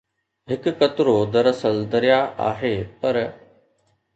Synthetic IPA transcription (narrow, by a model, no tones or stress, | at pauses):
ɦɪkkɐt̪ɾoːd̪ɐɾəsəld̪ɐɾɪjaʔa̰ːɦeːpɐɾ